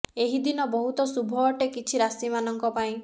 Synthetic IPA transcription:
eɦid̪inɔbɔɦut̪ɔsubʱɔːʈekit͡ʃʰiɾasimanɔŋkɔpaĩ

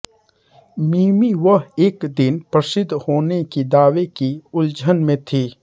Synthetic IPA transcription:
miːmiʋəɦeːkd̪ɪnpɾəsɪd̪ʱːhoːnekid̪aːʋekiʊld͡ʒʱənmẽt̪ʰiː

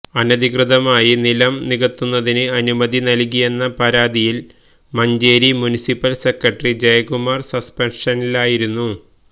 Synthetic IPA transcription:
ɐnɐd̪ikrɨðɐmaːjinilɐmniɣɐt̪ːunːɐðinɨɐnumɐd̪inɐlk̬ːije̞nːɐpɐɾaːd̪ijil | mɐɲd͡ʑe̞ːɾimunisipːɐlsekɾɐʈɐrid͡ʑejɡumarsɐspenʂɐnilaːjiɾunːu

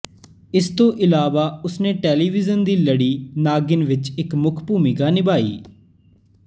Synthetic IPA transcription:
ɪst̪õːʔɪlaːʋaːʊsneːʈeːliːʋɪzənd̪iːləɽiːnaːɡɪnʋɪt͡ʃɪkmʊkʰpuːmiːɡaːnɪbaːḭː

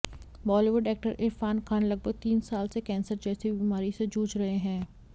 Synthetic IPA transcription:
bɔːliːʋəɖɛːk̚ʈəɾʔɪɾfaːnkʰaːnlɐɡ̚bʱəɡ̚t̪iːnsaːlsekɛ̃ːnsəɾd͡ʒɛːsibiːmaːɾised͡ʒuːt͡ʃɾɐɦeɦɛ̃ː

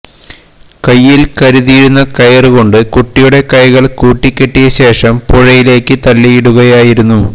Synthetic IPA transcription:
kɐjːilkɐɾuðijɽunːɐkɐjɐrɨɣo̞ɳɖɨkuʈːijuɽe̞kɐjɣɐɭkuːʈːikʲːeʈːijɐɕe̞ːʂɐmpoɻɐjile̞ːkːɨt̪ɐlːijiɽuɣɐjaːjiɾunːu

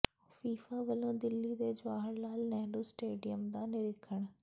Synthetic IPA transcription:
fiːfaːʋəlõːd̪ɪlːiːd̪eːd͡ʒʋaːɦəɽnaːlnɛːloːsʈeːɖɪjəmd̪ãːnɪɾɪkʰːəɳ̃

